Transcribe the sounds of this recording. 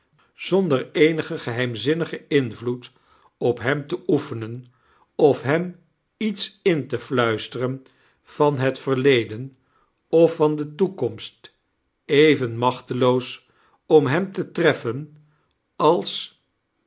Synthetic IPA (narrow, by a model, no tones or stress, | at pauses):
z̥ɔndəɹejnəχəχəɦɛjmzɪnəχəɪnvlut | ɔpɦɛmtəʔufənən | ɔfɦɛm | itsɪntəflœɥstərən | v̥ɑnɦətfəɹlejdən | ɔfɑndətukɔmst | ejvənmɑχtəlows | ɔmɦɛmtətrɛfən | ɑlˠs